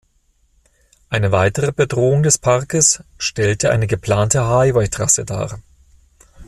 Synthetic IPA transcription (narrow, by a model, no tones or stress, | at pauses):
ʔaɪnəvaɪtəʁəbədʁoːʊŋdɛspʰaʁkəsʃtɛltəʔa̰ɪnəɡəpl̥aːntəɦaɪvɔʏtʁ̥asəda̰ː